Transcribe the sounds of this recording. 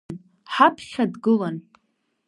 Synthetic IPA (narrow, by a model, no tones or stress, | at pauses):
n | ħapʰχʲadɡɨlan